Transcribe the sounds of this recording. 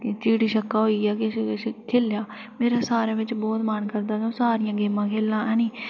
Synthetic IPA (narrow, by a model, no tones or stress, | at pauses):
kt͡ʃiːʈiːʃəkːaːɦoːiːɛːkɪsskʰeːljaː | meːɾaːsaːɾẽːʋɪt͡ʃbɔːt̪mənkəɾd̪aːɡõːsaːɾɪjãːɡeːmãːkʰeːlãːɛ̃ːniː